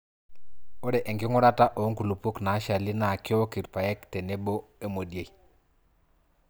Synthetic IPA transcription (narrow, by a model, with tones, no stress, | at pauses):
o˦dɛ˨ʔɛ˨ŋkɪ˦ŋɔ˦ɾa˦ta˦ʔo˨˦ŋku˨lu˨pu˦kna˨˦ʃa˨lɪ˦na˨kɪ˦o˦ki˨ɾpa˨jɛ˦ktɛ˨ne˦bo˦e˦mo˨dje˨i˨